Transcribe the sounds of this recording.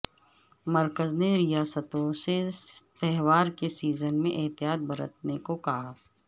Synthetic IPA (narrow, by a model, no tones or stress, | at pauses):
mɐɾkəzneɾɪjaːsət̪õset̪ɛɦwaːɾkesiːzənmḛ̃ʔɪɦt̪ijaːt̪̚bɐɾət̪̚nekokɐɦa